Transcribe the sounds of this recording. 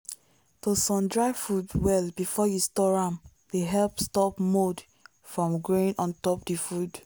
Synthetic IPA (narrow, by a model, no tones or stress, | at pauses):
tosɔ̃mdɹaɪfudwɛlbifɔjustɔɹãm | deɦɛlpstɔpmod | fɹɔ̃mɡɹoĩnɔ̃ntɔpdifud